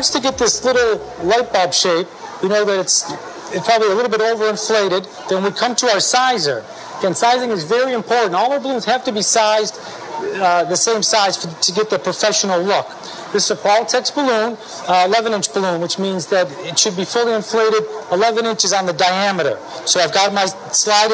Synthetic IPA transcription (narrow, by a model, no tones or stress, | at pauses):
stʰɨɡɛt̪̚ðɪslɪɾl̩ˠ | laɪt̚b̥ɑb̥ʃeɪp̚wɨnoʊðɨɾɨts | ɨpʰɑbəbliəlɪɾl̩ˠbɪɾoʊvə˞ɨ̃ɱfleɪɾɨd̪̚ | ðɨ̃nwikʰʌ̃mtʰəaʊə˞saɪzə˞ | ɨ̃nsaɪzɪ̃ŋɨzvɛɹiɨ̃mpʰɔɹʔn̩tɔlˠəə˞bəlũnz̥hæftɨbisaɪz | ðɨsẽɪ̃msaɪz̥fə˞tʰɨɡɛt̪̚ðɨpʰɹ̥ɨfɛʃn̩l̩ˠlʊk | ðɪszəkʰɔlˠtʰɛksb̥əlũn | əlɛvɨ̃ñɪ̃nt͡ʃb̥əlũnwət͡ʃmĩnzðɨɾɪtʃɨd̚bifʊlˠiɨ̃ɱfleɪɾɨɾəlɛvɨ̃nɪ̃nt͡ʃɨzn̩ðɨdaɪæmɨɾə̰˞ | soʊaɪvɡɑt̚maɪ | slaɪɾ